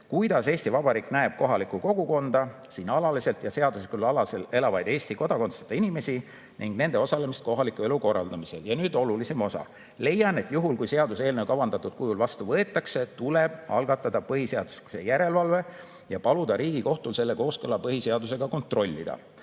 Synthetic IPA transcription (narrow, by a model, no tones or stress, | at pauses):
kujd̪̥ɑse̞ːst̪ivɑbɑɾiːkˑnæeb̥̚ko̞ɦɑlikˑuko̞ɡ̥uko̞nd̪̥ɑsiːnɑlɑlise̞lt̪jɑse̞ɑd̪uslikulɑlɑsele̞lɑvɑjd̪e̞ːst̪iko̞d̪̥ɑko̞nse̥t̪ɑinime̞si | niŋɡne̞nd̪̥e̞o̞sɑlemist̪̚ko̞ɦɑlikːˑue̞luko̞rːɑ̰ld̪ɑmise̞ljɑnyːd̪̥o̞lulise̞mo̞sɑ̰ | le̞jːɑne̞t̪ːˑjuɦulkujse̞ɑd̪use̞ːlnewkɑvɑnd̪̥ɑt̪ud̪̥̚kujulvɑst̪uvɤe̞t̪ːˑɑkse̞t̪ule̞b̥ɑlɡ̥ɑt̪ːˑɑd̪̥ɑpɤɦiseɑd̪̥u̥skse̞̰jæɾe̞lvɑlve̞ | jɑpɑlud̪ɑɾiːɡ̥iko̞ht̪ulse̞lːe̞ko̞ːskɤlːɑpɤɦise̞ɑd̪us̬e̞ɡ̥ɑko̞nt̪ˑro̞lʲːid̪̥ɑ̰